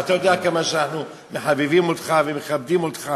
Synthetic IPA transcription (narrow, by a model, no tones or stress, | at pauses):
at̪ajod̪eakamaʃeanaħnu | meħabivimot̪χavemeχab̚d̪imot̪χa